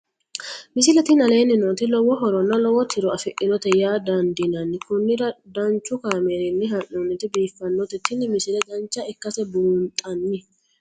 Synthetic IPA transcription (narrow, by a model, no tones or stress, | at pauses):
mɪsɪlɛt̪ɪnɐle̞ːnːɪnoːt̪ɪlɔwɔɦɔɾɔnːɐlɔwɔt̪ʰɪɾɔɐfɪʔɪnɔt̪ɛjaːd̪ɐnd̪ɪnɐnːɪkʊnːɪɾɐd̪ɐnt͡ʃːʊkaːmeːɾɪnːɪɦɐʔunːɪt̪ɪbiːfːɐnːɔt̪ɛt̪ːɪnɪmɪsɪlɛd̪ɐnt͡ʃːɐɛkːɐsɛbuːnt̪ʼɐnːɪ